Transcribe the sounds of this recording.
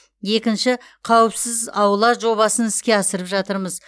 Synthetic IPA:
je̞kʲɪnʃɪ | qʰɑwəpsɪzɑwəlˠɑʒo̞βɑsənɪskʲe̞ɑsəɾəpʒɑt̪əɾməz

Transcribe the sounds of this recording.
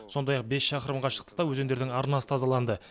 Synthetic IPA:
so̞nd̪ɑjɑq̚be̞sʃɑqəɾəmʁɑʃə̥q̚t̪əd̪ɑwɵze̞nd̪e̞ɾd̪ɪŋɑɾnɑsə̥t̪ʰɑzɑlˠɑnd̪ə

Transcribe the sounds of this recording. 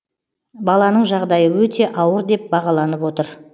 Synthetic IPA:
bɑlˠɑnəɴʒɑʁd̪ɑjəwɵt̪ʰe̞ʔɑwəɾd̪e̞p̚bɑʁɑlˠɑnəpwo̞t̪əɾ

